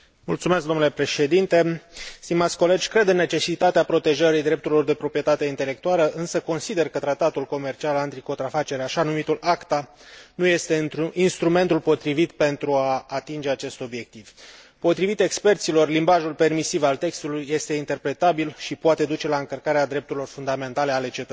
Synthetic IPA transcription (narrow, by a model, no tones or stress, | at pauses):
mult̪sumesk̚d̪onule̞pɾe̞ʃe̞d̪int̪e̞st̪imat̪sʲko̞le̞d͡ʒʲkɾe̞d̪ɨnːe̞t͡ʃe̞sit̪at̪eapɾo̞t̪e̞ʒəɾid̪ɾe̞p̚t̪uɾilo̞rd̪e̞pɾo̞pɾie̞t̪at̪e̞int̪e̞le̞kt̪ualəʔɨnsəko̞nsid̪e̞rkət̪ɾat̪at̪ulko̞me̞rt͡ʃialant̪iko̞nt̪ɾafat͡ʃe̞ɾaʃanumit̪ulakt̪a | nuje̞st̪e̞nt̪ɾuʔinst̪ɾume̞nt̪ulpo̞t̪ɾivit̪pe̞nt̪ɾuaːt̪ind͡ʒe̞at͡ʃe̞st̪o̞bje̞k̚t̪iv̥ | po̞t̪ɾivit̪e̞kspe̞rt̪silo̞rlimbaʒulpe̞rmisivalt̪e̞kst̪ulujːe̞st̪e̞int̪e̞rpɾe̞t̪abilʃipoat̪e̞d̪ut͡ʃe̞laɨŋkərkaɾead̪ɾe̞p̚t̪uɾilo̞rfund̪ame̞nt̪ale̞ale̞t͡ʃe̞t̪ə